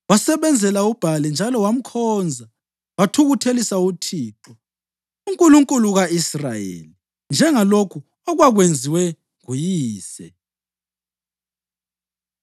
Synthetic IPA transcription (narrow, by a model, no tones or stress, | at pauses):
wasɛβɛnd͡zʱɛlaub̥ʱalɛnd͡ʒʱalɔwam̩kʰɔːnd͡zʱa | watʰuɣutʰelisautʰiːǁɔ | uŋkʼuluŋkʼuluɣaisra̰jḛli | nd͡ʒʱɛŋalokʰu | ɔɣwaɣwend͡zʱiwɛ | ŋujiːsɛ